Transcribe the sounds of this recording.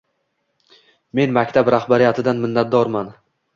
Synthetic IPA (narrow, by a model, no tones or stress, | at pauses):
me̞nmakʲt̪ʰabɾahbaɾɪjat̪ʰɪd̪anmɪnːat̪̚d̪ɒɾman